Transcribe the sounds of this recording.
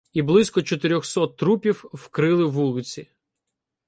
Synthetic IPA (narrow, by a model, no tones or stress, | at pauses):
iblˠɪsʲkɔt͡ʃɔt̪ɪɾʲɔxsɔt̪ːɾupʲiwwkɾɪlˠɪʋulˠɪt͡sʲi